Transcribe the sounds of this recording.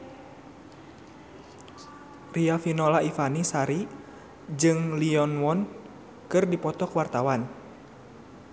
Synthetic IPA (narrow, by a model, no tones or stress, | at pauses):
riafinɔlaifanisaɾi | d͡ʒɨŋliɔnwɔn | kɨrdipɔt̪ɔkwart̪awan